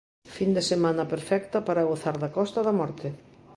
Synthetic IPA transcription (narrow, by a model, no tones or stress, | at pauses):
find̪esemãnɐpeɾfɛk̚t̪ɐpaɾɐɣoθaɾðɐkɔst̪ɐðɐmɔɾt̪ɪ